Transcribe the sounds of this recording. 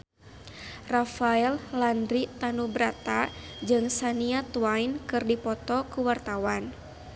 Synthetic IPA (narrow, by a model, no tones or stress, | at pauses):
rafaɛllandɾit̪anubɾat̪ad͡ʒɨŋsaniat̪uainkɨrdipɔt̪ɔkuwart̪awan